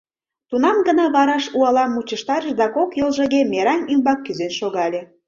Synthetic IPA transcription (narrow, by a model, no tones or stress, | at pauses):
t̪unɑmɡə̆nɑβɑɾɑʃuɑlɑmːut͡ɕəʃt̪ɑɾəʃd̪ɑkokjolˠʒə̆ɣemeɾɑnymbɑkːyzenʃoɣɑlʲe